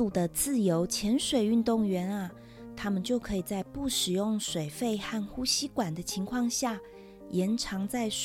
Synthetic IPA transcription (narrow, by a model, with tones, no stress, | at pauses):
u˨˩d̪ə˦t͡sɹ̩˥˩jo˧˦˥ʊt͡ɕʰjɛ˧˥nʂwe˨˩ɪy˥˧nt̪ʊ˥˩ŋɥɛ˧˥nɐ˧ | t̪ʰa˥mə˨nt͡ɕjo˥˩ʊkʰɤ˧˥i˨˩t͡sa˥˧ɪpu˥˩ʂɻ̩˨˩jʊ˥˩ŋʂwe˨˩ɪfe˥˧ɪxa˥˩nxu˥ɕi˥kwa˨˩nd̪ə˦t͡ɕʰi˧˥ŋkʰwɑ˥˧ŋɕja˥˩ | jɛ˧˥nʈ͡ʂʰɑ˧˥ŋt͡sa˥˩ɪ